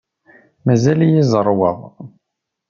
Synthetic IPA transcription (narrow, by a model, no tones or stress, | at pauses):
mæzæljizˤəɾˤwəðˤ